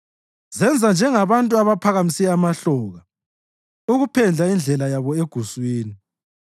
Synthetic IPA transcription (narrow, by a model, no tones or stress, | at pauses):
zɛnd͡zʱand͡ʒʱɛŋaβantʼuaβapʰaɣamisiɛamaɬɔːɣa | uɣupʰɛnd͡ɮʱaind͡ɮʱɛlajaβɔeɡ̥ʱuswiːni